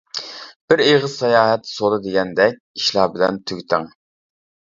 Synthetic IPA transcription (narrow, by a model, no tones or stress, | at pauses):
b̥ɪɾeʁəz̥sɑjɑːɦɛt̪ʰsoɾɨd̪eɡʲɛnd̪ɛk̚ʲi̥ʃlˠɑːbɪlɛnt̪ʰyɡʲt̪ɪŋ